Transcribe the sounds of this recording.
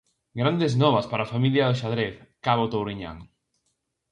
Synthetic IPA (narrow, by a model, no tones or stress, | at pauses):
ɡɾand̪eznɔβaspaɾafamiljaðoʃaðɾeθkaβot̪owɾiɲa̰ŋ